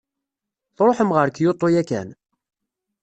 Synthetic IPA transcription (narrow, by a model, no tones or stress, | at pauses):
θɾˤoħəmʁəɾkjot̪ˤːojækæ̰n